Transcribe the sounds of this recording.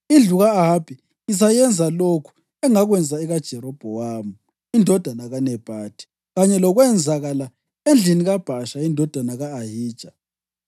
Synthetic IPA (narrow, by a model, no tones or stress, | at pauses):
ind͡ɮʱuɣaːɦab̥ʱi | is̬ajɛnd͡zʱalokʰu̥ | ɛŋaɣwɛnd͡zʱaɛɣad̥ʒ̥ʱɛɾɔb̥ʱɔwaːmu | indʱɔd̥ʱanaɣanɛb̥ʱaːd̥ʱʼi̥ | ɣaɲɛlɔɣwɛnd͡zʱaɣala | end͡ɮʱiniɣab̥ʱaʃaindʱɔd̥ʱwanaɣaːɦiːd̥ʒ̥ʱa